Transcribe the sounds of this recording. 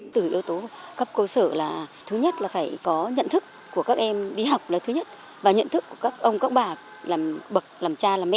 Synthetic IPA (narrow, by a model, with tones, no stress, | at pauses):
t̪ɨ˨˧˩ʔi˧əwt̪o˨˦kə˦˥p̚kəː˧səː˧˩laː˨˩t̪ʰɨ˨˦ɲə˦˥t̚laː˨˩faː˧˩jkɔ˨˦ɲə̰˧˨nt̪ʰɨ˦˥k | ku˧˩əkaː˦˥k̚ʔɛ˧mɗi˧ɦa˨˩wk͡p̚laː˨˩t̪ɨ˨˦ɲə˦˥t̚ | vaː˨˩ɲə̰˧˨nt̪ʰɨ˦˥kːu˧˩əkaː˦˥k̚ʔə˧wŋ͡mkaː˦˥k̚ɓaː˨˩ | laː˨˩mɓə˨˩k̚laː˨˩mt͡ɕaː˧laː˨˩mɛ˧˥